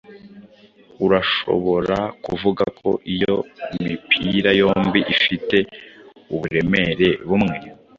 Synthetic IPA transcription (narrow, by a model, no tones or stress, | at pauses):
uɾaʃo̞̰βo̞ɾakuvuɡakʰo̞̰ʔijo̞mipʰiɾajo̞ːmbiʔifite̞uβuɾe̞me̞ɾe̞βumŋe